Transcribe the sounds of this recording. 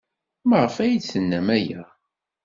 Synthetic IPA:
məʁəfæjid̪sənːæmæjæ

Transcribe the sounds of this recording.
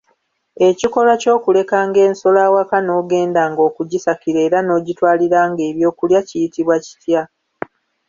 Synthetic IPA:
e̞ciko̞laco̞ːkule̞kaːŋɡe̞ːnso̞laːwakano̞ːɡe̞ːndaːŋɡo̞ːkuɟisakiɾeːɾano̞ːɟitwaːliɾaːŋɡe̞ːβjo̞ːkuljacijitiβwaci̥tja

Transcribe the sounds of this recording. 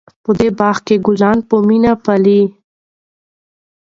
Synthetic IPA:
pəd̪ebɑːxkeɡʊlɑnpəminapali

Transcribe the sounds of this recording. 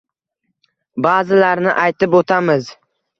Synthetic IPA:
baːzɪlaɾnɪʔajt̪ɪpot̪ʰamɪz

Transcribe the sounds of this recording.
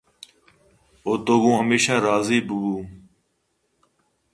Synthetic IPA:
oːt̪oːɡũːɦəmeːʃãːɾaːziːbʊɡuː

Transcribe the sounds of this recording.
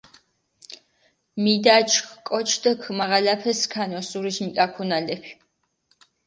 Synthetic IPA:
mid̪at͡ʃʰkkʼɔt͡ʃʰd̪ɐkʰmaʁalapʰɛskʰanɔsuɾiʃmikʼakʰunalɛpʰ

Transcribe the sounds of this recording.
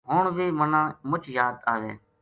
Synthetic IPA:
ɦoːɳʋiːmənãːmʊt͡ʃʰjaːd̪aːʋḛː

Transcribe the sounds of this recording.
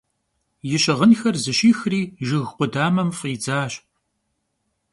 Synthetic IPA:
jɪɕɐʁənxɐrzɨʃiːxriːʒɪɣqʷʊdaːmɐmfʼiːd͡zaːɕ

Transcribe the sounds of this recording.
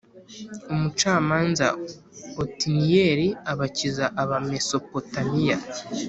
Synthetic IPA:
omut͡ʃaːmaːnza̰ | otinijeːɾiaβacizaʔaβame̞so̞po̞tamija

